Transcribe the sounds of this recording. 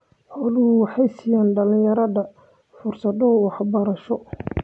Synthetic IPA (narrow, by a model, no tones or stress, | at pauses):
ħɔːlʊʊwɑħɑjsɪjaːnɖɐlɪjɐɾɐðɐ | fʊrsɐðɔwɑħbɐɾɐʃɔ